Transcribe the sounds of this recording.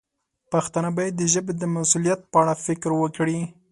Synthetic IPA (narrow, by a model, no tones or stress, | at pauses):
paxt̪anabajed̪ːəʒəbed̪əmasulijat̪̚pəaɽafɪkɾwəkɽi